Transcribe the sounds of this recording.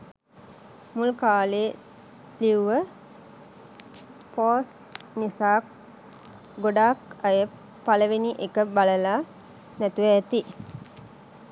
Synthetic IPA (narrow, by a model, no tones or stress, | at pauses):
mulkaːleː | liuʋə | paːs | nisaːk | ɡoɖaːkajə | paləʋeniʔekəbaləla | næt̪uʋəːt̪i